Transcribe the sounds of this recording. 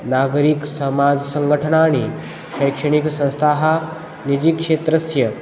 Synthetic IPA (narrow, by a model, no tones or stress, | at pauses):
naːɡɾiksɐmaːd͡ʒsɐ̃ŋɡəʈʰənaːñi | ʃɐjkʂɐɽ̃iksɐ̃ñst̪ʰaːɦa | nid͡ʒikʂeːt̪ɾɐsjɐ